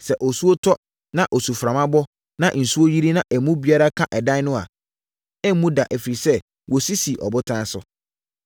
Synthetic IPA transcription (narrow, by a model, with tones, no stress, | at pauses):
sɛ˨ʔɔ˨su˦o˦tʰɔ˦ | nã˦ʔɔ˨su˨fɾã˨mã˦bɔ˦ | nã˦ʔn̩˨su˦o˦ji˦ɾi˦nã˦ʔɛ˨mũ˦bi˨˦a˦ɾa˦kʰã˦ʔɛ˨dã˦nʊ̃˦a̰˨ | ɛ˦mːũ˦da˨ʔɛ˨fi˨ɾi˨sɛ˦ | wɔ˨si˦si˨ʔɔ̰˨bʊ˦tʰã˦sʊ̰˨